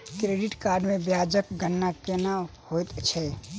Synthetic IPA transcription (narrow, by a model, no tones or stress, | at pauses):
kɾeɖiʈkaɾɖmẽbjad͡ʒək̚ɡənːakenahojt̪t͡ʃʰɛ